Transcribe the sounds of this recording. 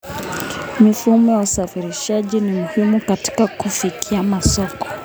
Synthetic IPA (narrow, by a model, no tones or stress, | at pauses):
mifuhumɔjausafiɾiʃaʄinimuhimukati̥kakufikʰiamasɔkɔ̥